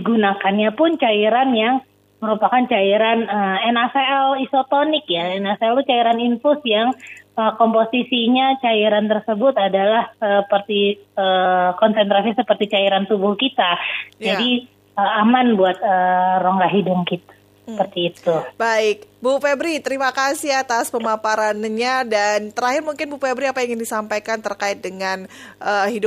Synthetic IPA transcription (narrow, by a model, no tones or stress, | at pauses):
diɡunakanɲapʊnt͡ʃaiɾanjaŋ | məɾupakant͡ʃaiɾanəɛnaseɛlisot̪onɪkjaɛnasɛlut͡ʃaiɾaninfʊsjaŋəkɔmposisiɲat͡ʃaiɾant̪ərsəbʊt̪adalahsəpərt̪iəkɔnsɛnt̪ɾasisəpərt̪it͡ʃaiɾant̪ubʊhkit̪ajd͡ʒadi | əamanbuat̪̚əroŋɡaɦidʊŋkit̪ | ssəəpərt̪iːt̪ubaɪk̚bufebɾit̪əɾimakasihat̪aspəmapaɾanɲadant̪əɾaɦɪrmuŋkɪnbufebɾiapajaŋdisampajkant̪ərkaɪt̪̚dəŋanʔəhidʊ